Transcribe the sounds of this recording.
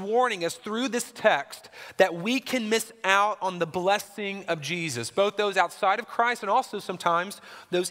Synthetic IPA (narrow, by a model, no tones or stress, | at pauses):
wɔɹnɪ̃ŋʌsθɹʉðɪstʰɛkstðɨt̚wikʰɨ̃nmɪsaʊɾn̩ðəblɛsɪ̃ŋʌvd͡ʒizɨsb̥oʊθðoʊzaʊtsaɪɾʌv̥kʰɹ̥aɪstɨ̃ñɔlˠsoʊsʌ̃mtʰãɪ̃mzðoʊz